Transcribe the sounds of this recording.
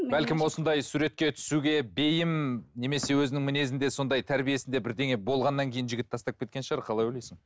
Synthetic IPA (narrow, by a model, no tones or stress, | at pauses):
b̥ælkʲɪmwo̞sənd̪ɑjsuɾe̞t̪̚kʲe̞t̪ʰʏ̥suɡʲe̞be̞jɪmne̞me̞se̞wɵzɪnɪŋmɪne̞zɪnd̪e̞so̞nd̪ɑjt̪ʰæɾbije̞sɪnd̪e̞bɪɾd̪e̞ŋe̞bo̞lˠʁɑnːɑŋkʲʰe̞jɪnʒɪɡʲɪt̪ːʰɑst̪ɑp̚kʲe̞t̪̚kʲe̞nʃəʁɑɾqʰɑlˠɑjwɵlejsɪŋ